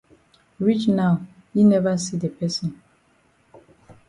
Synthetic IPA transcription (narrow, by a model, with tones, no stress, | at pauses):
ɹi˦t͡ʃna˨ʊ | ji˦nɛ˦va˦si˦de˨pɛ˦sɔ̃˨n